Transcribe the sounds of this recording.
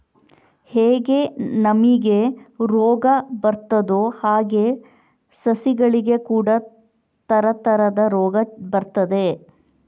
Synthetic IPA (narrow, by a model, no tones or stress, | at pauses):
heːɡe̞nɐmiɡe̞ɾɔːɡɐbɐɾt̪ɐd̪uhaːɡe̞ | sɐsiɡɐɭiɡe̞kuːɽɐ | t̪ɐɾɐt̪ɐɾɐd̪ɐɾɔːɡɐbɐɾt̪ɐd̪e̞